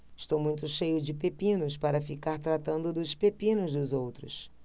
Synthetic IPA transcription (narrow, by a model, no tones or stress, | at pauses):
ɪʃt̪owmũj̃t̪ʊʃejʊd͡ʒɪpepĩnʊspaɾɐfikaɾt̪ɾat̪ɐ̃nd̪ʊd̪ʊspepĩnʊzd̪ʊzowt̪ɾʊs